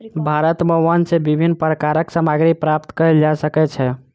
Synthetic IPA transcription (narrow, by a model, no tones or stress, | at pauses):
bʱaɾət̪məənsebibʱinːpɾəkaɾəksəmaɡɾipɾapt̪kəɛld͡ʒasəkɛt͡ʃʰɛ